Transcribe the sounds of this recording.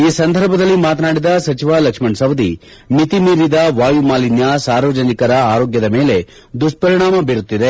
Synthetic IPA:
iːsɐnd̪ʱɐɾbʱɐd̪ɐlːimaːt̪naːɽid̪ɐsɐt͡ʃiʋaːlɐkʂmɐɳsɐʋɐd̪i | mit̪imiːɾid̪ɐʋaːjumaːlinjasaːɾʋɐd͡ʒɐnikɐɾɐaːɾoːɡjɐd̪ɐme̞ːle̞ | d̪uʂʈ̚pɐɾiɳaːmɐbiɾut̪ːid̪e̞

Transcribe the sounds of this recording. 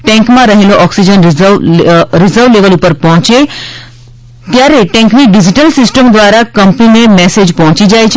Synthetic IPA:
ʈɛ̃ŋkmãɾəɦeloʔɔksid͡ʒənʋɾɪzəɾʋleʋəlupəɾpɔɦʊ̃t͡ʃe | t̪jaɾeʈɛ̃ŋkniɖid͡ʒiʈəlsɪsʈəmd̪ʋaːɾakɐmpninemɛsed͡ʒpɔɦʊ̃t͡ʃid͡ʒajt͡ʃʰ

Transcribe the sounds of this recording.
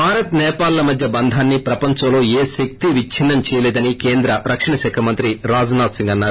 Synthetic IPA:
bʱaːɾɐt̪nɛːpaːlːɐmɐd̪ʱjɐbɐnd̪ʱaːnːipɾɐpɐɲt͡ʃɐmlo̞ːeːʃek̚t̪iʋit͡ʃʰinːɐmt͡ʃɛːjɐlɛːd̪ɐnikeːnd̪ɾɐɾɐkʂɐɳɐʃɛːkʰɐmɐnt̪ɾiɾaːd͡ʒɐnaːsiŋɡɐnːaːɾu

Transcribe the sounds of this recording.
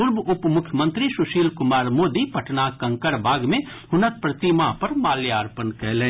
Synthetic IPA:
pʊɾbʊpmʊkʰjəmə̃nt̪ɾisʊʃiːlkʊmaːɾmoːd̪ipɐʈnakɐ̃ŋkəɾbʱaːɡmẽ | ɦʊnət̪̚pɾɐt̪imapɐɾmaːljaːɾpənkɛɦlẽː

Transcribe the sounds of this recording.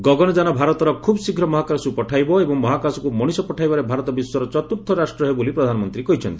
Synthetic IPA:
ɡɔɡɔnɔd͡ʒanɔbʱaɾɔt̪ɔɾɔkʰubsikʰɾɔmɔɦakasupɔʈʰajbɔebɔŋmɔɦakasɔkumɔɽ̃isɔpɔʈʰajbaɾebʱaɾɔt̪ɔbiswɔɾɔt͡ʃɔt̪uɾt̪ʰːɔɾasʈɾɔɦebolipɾɔd̪ʱanɔmɔnt̪ɾikɔɦit͡ʃʰɔ̰nt̪ii̥

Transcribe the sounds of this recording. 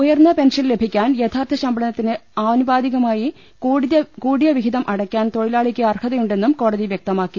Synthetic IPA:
ujɐrnːɐpe̞nʂɐnle̞bʱikʲːaːnjet̪ʰaːrt̪ʰɐɕɐmbɐɳɐnɐt̪ːinɨaːnubaːðiɣɐmaːji | ɐkuːɽijɐʋiɦiðɐmʔɐɽɐkʲːaːnt̪o̞ɻilaːɭikʲːɨɐrkʰɐðɐjuɳɖe̞nːumko̞ːɽɐðiʋjek̚t̪ɐmaːkːi

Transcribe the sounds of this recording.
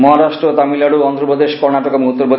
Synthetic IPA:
mɔɦaɾaʃʈɾot̪amilaɽuɔnd̪ɾopɾod̪eʃkɔɾnaʈɔkomuɦot̪ːoɾpo

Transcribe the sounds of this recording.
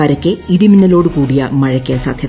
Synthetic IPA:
ɐɾɐkʲːeiɽiminːɐlo̞ːɽɨkuːɽija̰mɐɻɐkːijɐsa̰ːd̪ʱjɐ

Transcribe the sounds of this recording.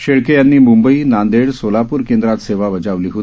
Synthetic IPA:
ɕeɭkejanːiːmumbəiːnand̪eɽsolapuːɾkend̪ɾat̪seʋaʋəd͡zaʋliːɦot̪i

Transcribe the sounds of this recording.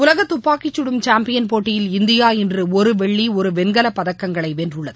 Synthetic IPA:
ʊlɐɣɐt̪ːʊpːaːkːɪt͡ʃːɯɽɯmt͡ʃaːmpɪjɐnpoːʈːɪjɪlɪnd̪ɪjaːɛndrɯɔɾɯʋɛɭːiɔɾɯʋɛnɡɐlɐpːɐðɐkːɐŋɡɐɭɐɪʋeːndrɯɭːɐðɯ

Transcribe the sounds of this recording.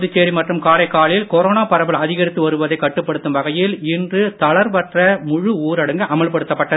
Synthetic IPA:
ðɯt͡ʃːeːɾimɐʈrɯmkaːɭɐɪkːaːɭɪlkɔɾoːnaːpɐɾɐbɪɭɐðɪɣɐɾɪt̪ːɯʋɐɾɯʋɐðɐɪkːɐʈːɯpːɐɽɯt̪ːɯmʋɐɣɐjɪlɪndrɯt̪ɐɭɐɾpɐʈrɐmʊɻʊuːɾɐɽɐŋɡɯʔɐmɐɭpɐɽɯt̪ːɐpːɐʈːɐð

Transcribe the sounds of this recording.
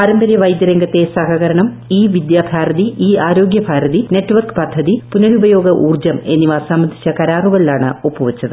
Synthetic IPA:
aːɾɐmbɐɾjɐʋɐjd̪jɐɾeŋɡɐt̪ːe̞sɐɦɐɣɐɾɐɳɐm | iːʋid̪jaːbʱaːɾɐðiiːaːɾo̞ːɡjɐbʱaːɾɐðine̞ʈːɨʋɐrkɨ̥pɐd̪ʱːɐðipunɐɾubɐjo̞ːɡɐʔuːrd͡ʑɐme̞nːiʋaːsɐmbɐnd̪ʱit͡ɕːɐkɐɾaːruɣɐɭilaːɳɨ̰opːuʋɐt͡ɕːɐðɨ

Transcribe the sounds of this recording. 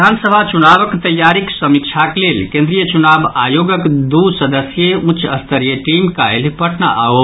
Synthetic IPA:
ansəbʱat͡ʃunabəkt̪əjːaɾiksəmik̚t͡ʃʰaklelkẽnd̪ɾijət͡ʃunabajoɡəkd̪usəd̪əsjeũt͡ʃəst̪ʰəɾijəʈimka̰elpəʈna̰ʔa̰o

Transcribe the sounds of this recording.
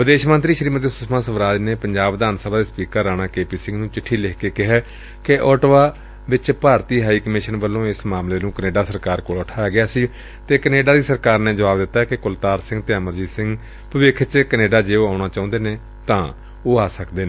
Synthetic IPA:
ʋɪd̪eːʃmənt̪ɾiːʃəɾiːmət̪eːsʊsʰmãːsəʋɾaːd͡ʒneːpəɲd͡ʒaːbd̪aːnsəːbaːd̪eːspiːkəɾːaːɽãːkeːpiːsɪ̃ŋɡnũːt͡ʃɪʈʰːiːlekʰkeːkɪɦɛː | keʔɔːʈʋaː | ʋɪt͡ʃpaːɾt̪iːɦaːiːkəmɪʃənbəlːõːɪsmaːmleːnũːkəneːɖaːsəɾkaːɾkoːlʊʈʰaːjaːɡɪaːsiː | t̪eːkəneːɖaːd̪iːsəɾkaːɾneːd͡ʒəʋaːbd̪ɪt̪ːaːɛkɪkʊlt̪aːɾsɪ̃ŋɡt̪eːəməɾd͡ʒiːsɪ̃ŋɡ | pəʋɪkʰt͡ʃkəneːɖaːd͡ʒeːoːaːʊɽ̃aːt͡ʃaːʊ̃nd̪eːneː | t̪ãː | oːaːsəkd̪eːneː

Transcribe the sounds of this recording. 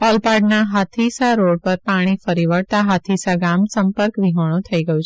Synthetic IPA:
ɔlpaɾɖnaɦat̪ʰisaɾoɽ̚pəɾpaɽ̃ifəɾiʋəɽt̪aɦat̪ʰisaɡamsəmpəɾkʋiɦəɽ̃õt̪ʰəiɡəjũt͡ʃʰ

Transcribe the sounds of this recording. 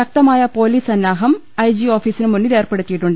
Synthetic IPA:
ɕɐk̚t̪ɐmaːjɐpo̞ːliːsɐnːaːɦɐm | ɐjd͡ʑio̞ːfiːsinɨmunːiɾe̞ːrpe̞ɽut̪ːijiʈːuɳɖɨ

